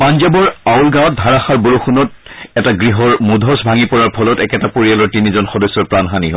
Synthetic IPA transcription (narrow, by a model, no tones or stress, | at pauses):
panzabɔɹaulɡawɔt̚dʱaɹaxaɹboɹoxunɔtɛtaɡɹiɦɔɹmudʱɔsbʱaŋipɔɹaɹpʰɔlɔtɛkɛtapoɹialɔɹtinizɔnxɔdɔsːɔɹpɹanxaniɦɔ